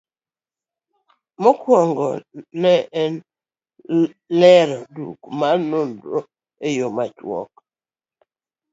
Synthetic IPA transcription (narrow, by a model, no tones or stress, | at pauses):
mɔkwɔŋɡɔ̰nɛɛn | lɛɾɔdṵkmanondo | ejomat͡ʃwɔ̰k̚